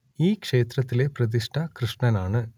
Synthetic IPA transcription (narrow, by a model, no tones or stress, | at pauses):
iːkʂeːt̪rɐt̪ːɪleːprɐd̪̬iʂʈʰɐkɾɨʂɳɐnaːɳɨ